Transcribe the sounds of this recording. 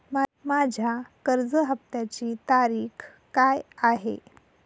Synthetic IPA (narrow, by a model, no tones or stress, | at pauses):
mamad͡ʑʱjakəɾd͡zəɦəpt̪jat͡ɕiːt̪aɾiːx | kajaɦḛ